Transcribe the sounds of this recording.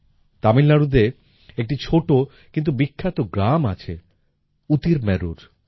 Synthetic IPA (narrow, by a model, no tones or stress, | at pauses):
t̪amilːaɾud̪e | ek̚ʈit͡ɕʰoʈo | kint̪̬ubikʰːat̪oɡɾama̰t͡ɕʰḛ | ut̪iɾmɛɾṵɾ